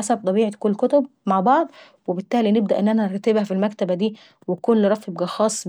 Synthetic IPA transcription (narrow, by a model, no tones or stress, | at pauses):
asæb̚t̪ˤɑbiːʕekolːkot̪ob̚maʕbɑʕd̪ˤ | webɪt̪ːæːlineb̚d̪æʔenːʔænæneɾˤt̪ːebhæfilmækt̪æbæd̪iː | wekunlːɾˤɑfebɡæxɑːsˤː